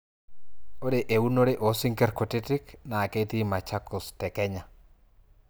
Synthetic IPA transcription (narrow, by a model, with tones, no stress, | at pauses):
o˦de˨ʔe˨u˦no˦ɾe˦ʔo˨si˦ŋkɛ˦rko˨tɪ˦tɪ˦knaː˨ke˦t̪i˦ma˨t͡ʃa˦kʊ˨stɛ˨kɛ˦ɲa˨